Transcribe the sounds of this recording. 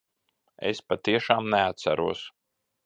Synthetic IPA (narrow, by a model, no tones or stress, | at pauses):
ḛspat̪iɛʃaːmnɛat̪sæ̰ɾuɔs